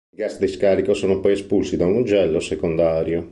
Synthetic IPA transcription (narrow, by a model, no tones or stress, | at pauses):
iɡasd̪iskaːɾikosoːnopɔjɛspulsid̪aund͡ʒɛlːosekond̪aːɾjo